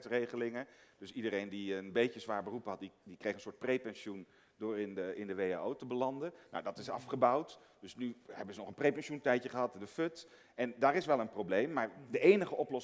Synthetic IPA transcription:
trejχəlɪŋəd̥ɵsidərejndiənbejəzʋaːɹbərupəɦɑt̚didikrejχənsʊːɹt̚prejpɛnsun | dʊːɹɪnəɪndəʋeja̰ːowtəbəlɑndəno̰wdɑtɪsɑ̰fχəbawt | dɵsnyhɛbənzənɔχənprejpɛnʃuntɛjcəχəɦɑtdəfɵt | ʔɛndaːɹɪsʋɛlˠənprowblejmːaːɹdəejnəχəʔɔplɔs

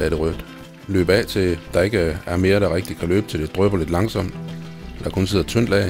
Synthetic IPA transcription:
d̥æɾ̥eʁœd̥ | lø̰ːb̥ɛːt͡sʰe̝d̥ɑ̈e̝ɡ̥əæɐme̝ːɐɾ̥ɑ̈ʁɛɡ̥̚d̥i̥kʰælø̰ːb̥t͡sʰe̝ld̥ed̥ʁœb̥ɐle̝d̥lɑ̈ŋsɒ̽m̰d̥ | d̥ɑɐkʰɔ̽ns̬e̝ð̰ˠɐt͡sʰøn̰d̥lɛ̰

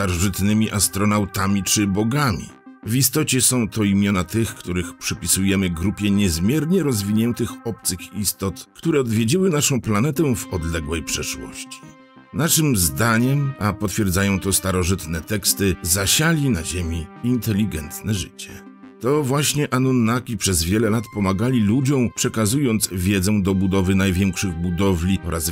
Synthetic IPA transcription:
st̪aɾɔʐɘt̪nɘmʲiʔast̪ɾɔnawt̪amʲit͡ʂɘbɔɡamʲḭ | vist̪ɔt͡ɕɛsɔ̃w̃t̪ɔimʲjɔnat̪ɘxkt̪uɾɘxpʂɛpʲisujɛmɘɡɾupʲjɛɲɛzmʲjɛɾɲɛɾɔzvʲiɲɛnt̪ɘxɔp̚t̪sɘxist̪ɔt̪kt̪uɾɛɔd̪vʲjed͡ʑiwɘnaʂɔ̃w̃planɛt̪ɛ̃vɔd̪lɛɡwɛjpʂɛʂwɔ̰ɕt͡ɕi̥ | naʂɘmzd̪aɲɛmapɔt̪fʲjɛɾd̪zajɔ̃w̃t̪ɔst̪aɾɔʐɘt̪nɛt̪ɛkst̪ɘzaɕalʲinaʑemʲiint̪ɛlʲːiɡɛnt̪nɛʐɘ̰t͡ɕɛ | t̪ɔvwaɕɲɛʔanɔnːakʲipʂɛzvʲjɛlɛlat̪pɔmaɡalʲilud͡ʑɔ̃w̃pʂɛkazujɔnt̪svʲjɛd̪zɛ̃w̃d̪ɔbud̪ɔvɘnajvʲjɛŋkʂɘɣbud̪ɔvlʲiɔɾʔaz

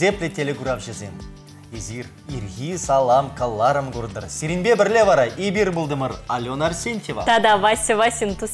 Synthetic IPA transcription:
eplʲet̪ʰelʲeɡuɾɑpʒezen | ezir | irɣʲisɑlˠɑmkʰalˠːɑɾəmɡuɾnd̪ə̰ɾsʲeɾinbebɪɾlʲevɑɾɑʔebʲiɾbʊlˠd̪əməɾalʲonɑɾsʲenʲt̪ʲeva̰t̪ad̪avasʲɪvasʲint̪us

